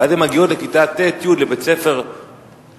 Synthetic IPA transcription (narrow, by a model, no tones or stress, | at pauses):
at̪emaɡio̞tlekit̪at̪ːet̪jud̪lebet͡se̞fe̞ʁ